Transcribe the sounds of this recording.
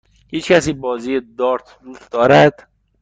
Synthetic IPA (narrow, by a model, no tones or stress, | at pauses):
hiːt͡ʃcʰʲæsiːbɒːziːjed̪ɒːɾt̪ʰd̪uːsd̪ɒːɾæd̪̥